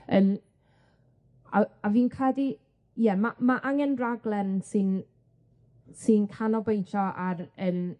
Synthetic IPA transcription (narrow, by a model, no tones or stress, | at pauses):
ən | aaviːnkʰɛdi | jɛmamaʔaŋɛnraɡlˠɛrnsɪn | sɪnkʰanɔbejntʰɔʔarən